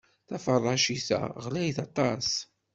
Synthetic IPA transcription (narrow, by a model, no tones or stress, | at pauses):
θæfərˤːɑʃisæ̰ʁlæjθɑt̪ˤɑs